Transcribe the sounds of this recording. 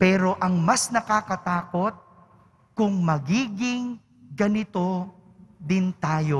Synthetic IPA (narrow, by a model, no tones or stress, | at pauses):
pɛːɾo̞ʔɐŋmɐsnɐkakɐt̪aːko̞t̪̚ | kʊŋmɐɡiːɡɪŋ | ɡɐnɪt̪o̞ | d̪ɪnt̪aːjo̞